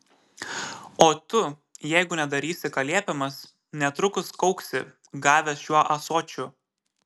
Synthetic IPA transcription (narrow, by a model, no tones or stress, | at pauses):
oːt̪ʊ | jɛɪɡʊnʲɛd̪ɐɾʲiːsʲɪkɐlʲiɛpʲɛmɐs | nʲɛt̪ɾʊkʊskɒʊksʲɪ | ɡɑːʋʲɛsʃuɔʔɐsoːt͡ʃʲʊ